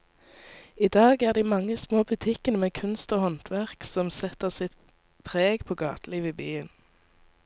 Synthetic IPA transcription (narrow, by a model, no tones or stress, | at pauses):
iːd̪ɑːɡæːʁd̪iːmɑŋːəsmoːbʉt̪ʰɪkənəmeːkʰʉnst̪oːhɔnt̪ʰʋæʁksɔmsɛt̪əʁsɪt̪̚ | pʰʁeːɡpʰoːɡɑːt̪liːʋiːbyːən